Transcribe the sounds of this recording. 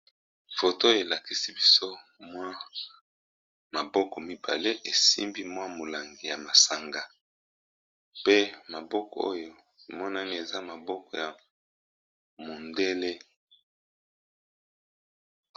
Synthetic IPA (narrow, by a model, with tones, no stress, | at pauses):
fo˨to˦˨e˨la˨ki˨si˦bi˦so˦ | mwa˦ | ma˨bɔ˦kɔ˨mi˦ba˨le˦ʔe˨sḭ˦mbi˦mwa˦mo˨la˨ŋɡi˨ja˨ma˨sa˨ŋɡa˨ | pe˦ma˨bɔ˦kɔ̰˨o̰˦jo˦ | e˨mɔ˦na˦ni˦e˨za˦ma˨bɔ˦kɔ˨ja˨ | mo˨nde˦le˦